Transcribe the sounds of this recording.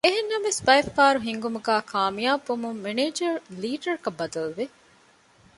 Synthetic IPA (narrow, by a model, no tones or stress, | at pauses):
eɦenːɐmesbɐefaːɾuɦiŋɡumuɡæːkʰaːmijaːbomumːeneːd͡ʒɐɾliːɖɐɾkɐbːɐd̪ɐlʋe